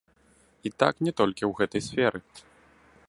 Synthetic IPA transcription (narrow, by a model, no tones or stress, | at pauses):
it̪aknʲɛt̪ɔlʲkʲiwɣɛt̪ɐjsʲfʲɛɾɨ